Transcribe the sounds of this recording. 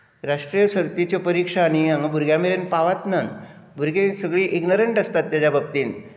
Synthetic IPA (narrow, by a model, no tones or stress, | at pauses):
ɾaʂʈɾijəsəɾt̪it͡ɕjopəɾikʂanijaŋɡbʱuɾɡjameɾenpaʋat̪nən | bʱuɾɡẽsəɡɭiːʔiɡnəɾəɳʈəst̪at̪ːjad͡ʑabʱək̚t̪iːn